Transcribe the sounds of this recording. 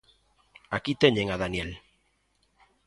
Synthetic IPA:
akit̪eɲeŋaðanjel

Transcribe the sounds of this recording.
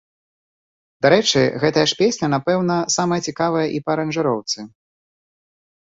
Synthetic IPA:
d̪aɾɛt͡ʂɨɣɛt̪ɐjɐʂpʲesʲnʲɐnapɛwnɐsamɐjɐt͡sʲikavɐjɐʔipɐɾɐnʐɨɾɔwt̪sɨ

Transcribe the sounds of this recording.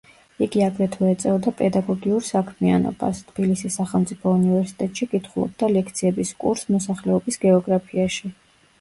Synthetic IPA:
iɡiaɡɾɛt̪ʰɛɛt̪sʼɛɔd̪apʼɛd̪aɡɔɡiuɾsakʰmia̰nɔ̰b̥a̰st̪ʰb̥ilisisːaχɛlˠmt̪sʼipʰɔunivɛɾsi̥t̪ʼɛt̪ʼʃikʼit̪ʰχulˠɔ̰b̚d̪alɛkʰt̪sʰiɛbiskʼṵɾsmɔsaχlɛɔbisɡɛɔɡɾapʰiaʃi

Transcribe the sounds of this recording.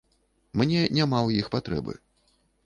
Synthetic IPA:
mnʲɛnʲamawjixpat̪ɾɛ̰bɨ̰

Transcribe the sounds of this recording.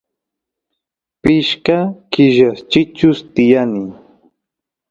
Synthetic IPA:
pɪʃkakɪʒast͡ʃɪt͡ʃʊst̪ɪjanɪ

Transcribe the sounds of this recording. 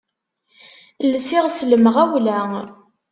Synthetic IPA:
lːsɪʁsləməʁæwlæ

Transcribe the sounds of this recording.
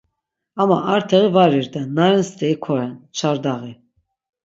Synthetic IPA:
ama̰ʔaɾt̪ʰɛʁivaɾiɾd̪ɛnːaɾɛnst̪ɛikʰɔɾɛnt͡ʃʰaɾd̪aʁi

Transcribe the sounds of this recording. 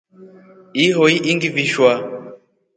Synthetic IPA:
iɦɔiʔiŋɡiviʃwa

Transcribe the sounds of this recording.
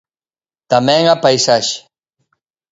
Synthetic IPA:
t̪ameŋapajsaʃ

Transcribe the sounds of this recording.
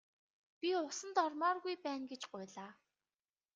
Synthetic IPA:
pʲiʊsə̆nt̪ɔrmɔːrɣujpæːnɡet͡ɕɢʊjɮaː

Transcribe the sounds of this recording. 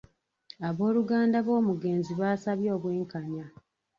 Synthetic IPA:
aβo̞ːluɡaːndaβo̞ːmuɡe̞ːnziβaːsaβjo̞ːβwe̞ːŋkaɲa

